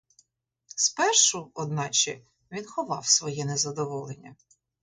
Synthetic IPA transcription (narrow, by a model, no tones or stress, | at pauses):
spɛrʃʊɔd̪nɑt͡ʃɪ | ʋʲinxɔʋɑwsʋɔjɛnɛzɐd̪ɔʋɔlˠenʲːɐ